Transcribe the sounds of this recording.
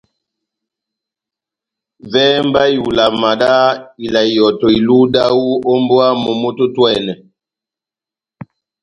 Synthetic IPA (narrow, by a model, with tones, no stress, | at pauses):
vɛ˦mba˦ju˨la˨ma˨da˦i˨la˨i˨jɔ˨tɔ˨i˨lu˦da˦wu˦ɔ˦mbwa˦mo˨mo˦to˦twɛ˦˨nɛ˨